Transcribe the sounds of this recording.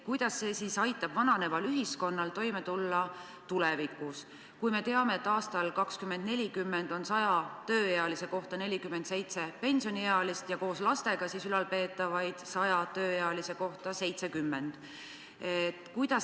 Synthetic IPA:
kujd̪̥ɑsːe̞ːsisɑjt̪ːˑɑb̥vɑnɑne̞vɑlyɦisko̞nːɑlt̪o̞jme̞t̪ulːɑ | t̪ulɛvikːˑus | kujme̞t̪e̞ɑme̞ːet̪ːˑɑːst̪ɑlkɑkskymːend̪̚ne̞lʲikymːe̞nd̪̥o̞nsɑjɑt̪ø̞ːjeɑlise̞ko̞ht̪ɑne̞lʲikymːe̞nd̪se̞jt̪se̞pe̞nʲsio̞nʲijeɑlist̪jɑko̞ːslɑst̪e̞ɡ̥ɑsiːsylɑlpe̞ːt̪ːˑɑvɑjd̪̥sɑjɑt̪øːjeɑlise̞ko̞ht̪ɑse̞jt̪se̞kymːe̞nd̪̥ | et̪ːkujd̪̥ɑ

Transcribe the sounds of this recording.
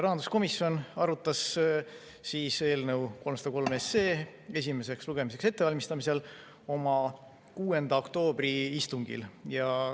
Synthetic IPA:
rɑɦɑnd̪u̥sko̞misjo̞nɑɾut̪ːˑɑsː | iːse̞ːlnəwko̞lmsɑd̪ɑko̞lmesːe̞ː | e̞s̬ʲime̞se̞ksluɡ̥e̞mis̬e̞kse̞t̪ːe̞vɑlʲmist̪ɑmise̞l | o̞mɑ | kuːe̞nd̪̥ɑokt̪o̞ːb̥riist̪uŋɡ̥ḭljɑ

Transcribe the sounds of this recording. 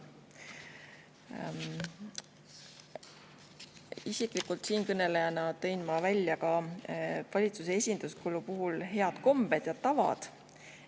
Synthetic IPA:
isikˑlikult̪siːnkɤne̞lejɑnɑt̪ɤ̞jnmɑvælʲjɑkɑ | vɑlʲit̪sus̬e̞e̞sʲind̪̥uskulupuɦulɦe̞ɑd̪̥ko̞mb̥e̞d̪̥jɑt̪ɑvɑ̰d̪̥

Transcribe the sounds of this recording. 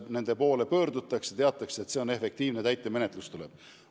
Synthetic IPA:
ne̞nd̪̥e̞po̞ːle̞pø̞ːɾd̪ut̪ːˑɑksjɑt̪eɑt̪ːˑɑkset̪se̞one̞fe̞k̚t̪iːvnet̪æjt̪ːˑe̞me̞net̪lust̪ule̞b̥

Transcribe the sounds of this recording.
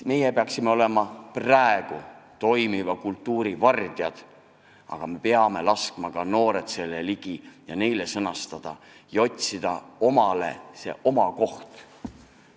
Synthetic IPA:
me̞jepeɑksimeo̞le̞mɑpræe̞ɡ̥ut̪o̞jmivɑkult̪ˑːuːɾivɑrd̪̥jɑd̪̥ | ɑ̰ɡ̥ɑme̞peɑme̞lɑskmɑɡ̥ɑno̞ːɾet̪se̞lːeliɡ̥ijɑne̞jle̞sɤnɑst̪ɑd̪̥ɑ | jɑo̞tʲsid̪̥ɑo̞mɑle̞̰se̞̰ʔo̞mɑko̞ht̪

